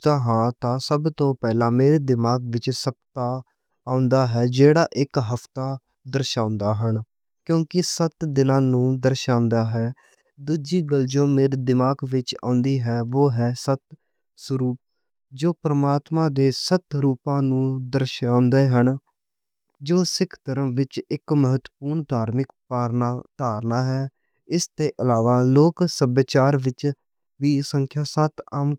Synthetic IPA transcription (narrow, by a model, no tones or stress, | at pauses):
t̪aɦãːt̪ãːsəbt̪õːpɛːlãːmeːɾeːd̪ɪmaːɡʋɪt͡ʃsəp̚t̪aː | aːʊnd̪aːɦɛːd͡ʒeːɽaːʔɪkɦəpt̪aː | d̪əɾʃãːʊnd̪aːɦən | kjõːkɪsət̪d̪ɪnãːnũːd̪əɾʃãːʊnd̪aːɦɛː | d̪uːd͡ʒiːɡəld͡ʒõːmeːɾiːd̪ɪmaːɡʋɪt͡ʃã̰ːʊnd̪iːɦɛːʋoːɦɛːsət̪ | səɾuːp̚ | d͡ʒoːpɾəmaːt̪mãːd̪eːsət̪ɾuːpãːnũːd̪əɾʃãːnd̪eːɦən | d͡ʒoːsɪkʰt̪əɾəmʋɪt͡ʃɪkməɦət̪ːəpuːɾɳd̪ʱaːɾmɪkaːɾt̪aːɾnaːɦɛː | ɪst̪eːʔəlaːʋaːloːksəbeːt͡ʃaːɾʋɪt͡ʃ | ʋiːsəŋkʰjaːsət̪aːm